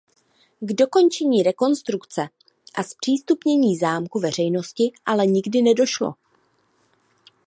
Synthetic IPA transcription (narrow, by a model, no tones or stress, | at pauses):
ɡdo̞ko̞nt͡ʃɛɲiːɾɛko̞nst̪ɾukt͡sɛ | ʔaspr̝̥iːst̪upɲɛɲiːzaːmkuvɛr̝ɛjno̞scɪʔalɛɲɪɡdɪnɛdo̞ʃlo̞̰